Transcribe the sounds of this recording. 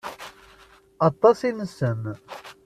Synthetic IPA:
ɑt̪ˤːɑsinəsːəm

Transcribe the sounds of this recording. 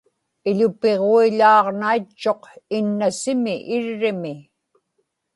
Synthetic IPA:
ɪʎʊpe̞ʁoiʎɑːʁnait͡ʃːo̞qɪnːasɪmɪʔɪɻːɪmɪ

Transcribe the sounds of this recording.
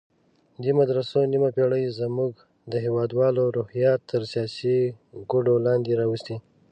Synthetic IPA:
d̪imad̪ɾasonimapeɽəjzmuɡ | d̪əɦewɑd̪wɑloɾohjɑt̪ʰːəɾsijɑsi | ɡʊɖolɑnd̪eɾɑwust̪i

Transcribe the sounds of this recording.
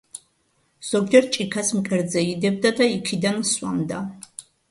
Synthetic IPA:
z̥ɔɡd͡ʒɛɾ̚t͡ʃʼikʰasmkʼɛɾd̪zɛid̪ɛb̚d̪ad̪aikʰid̪answa̰md̪a

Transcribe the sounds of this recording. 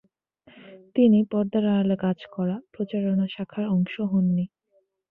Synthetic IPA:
t̪inipɔɾd̪aɾaalekad͡ʑkɔɾapɾot͡ɕaɾonaʃakʰaɾɔŋʃoɦonːi

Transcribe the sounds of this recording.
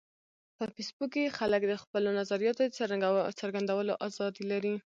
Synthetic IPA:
pəfesbukːexaləkd̪əxpəlonazaɾijɑt̪od̪ət͡səɾaɡat͡səɾɡand̪awəloʔɑzɑd̪ilaɾi

